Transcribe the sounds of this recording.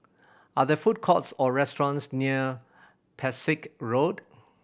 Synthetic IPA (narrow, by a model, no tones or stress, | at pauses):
aðəfut̚kʰɔtsɔɹɛstɹɔ̃nsniə | pʰɛsɪkɹod